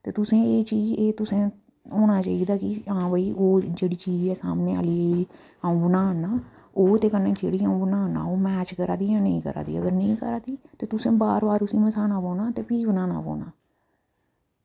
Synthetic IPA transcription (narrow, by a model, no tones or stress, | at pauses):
t̪eːt̪ʊsẽːeːt͡ʃiːd͡ʒeːt̪ʊsẽː | oːnaːt͡ʃaːiːd̪aːkɪãːbəiːʔoːd͡ʒeːɽiːt͡ʃiːd͡ʒɛːsa̰ːmneːə̰liːiː | aːũːbənaːnaː | oːt̪eːkənːẽːt͡ʃḛːɽiːaːũːbənaːnːa̰ːoːmɛːt͡ʃkəɾa̰ːd̪iːãːnəĩːkə̰ɾa̰ːd̪ḭːə̰ɡəɾnəĩːkəɾaːd̪iːt̪eːt̪ʊsẽːbaːɾbaːɾʊsĩːməsaːnaːpõːnaːt̪eːpiːʋnaːna̰ːpõ̰ːnaː